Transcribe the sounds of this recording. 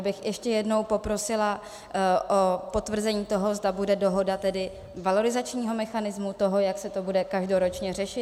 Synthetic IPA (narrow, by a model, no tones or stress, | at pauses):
bɪxjʔɛʃcɛjɛdno̞wpo̞pɾo̞sɪla | ʔopo̞t̪vr̩zɛɲiːt̪o̞ɦo̞zdabudɛdo̞ɦo̞dat̪ɛdɪ | valo̞ɾɪzat͡ʃɲiːɦo̞mɛxanɪzmut̪o̞ɦo̞jaksɛt̪o̞budɛkaʒdo̞ɾo̞t͡ʃɲɛr̝ɛʃɪt